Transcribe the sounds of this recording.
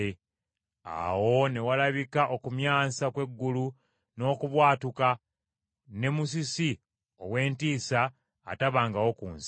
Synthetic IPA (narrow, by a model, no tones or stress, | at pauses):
e | a̰wo̞ne̞walaβikaʔo̞kumjaːsakwe̞ɡːulu | no̞ːkuβwaːtuka | ne̞mus̬isi | owe̞ːntiːsa̰ː | taβaːŋɡawo̞kuːns